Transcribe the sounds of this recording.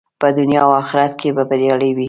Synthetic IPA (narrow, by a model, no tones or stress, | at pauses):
pəd̪ʊnjɑawɑxɪɾat̪̚kʰebabəɾeɽəjwi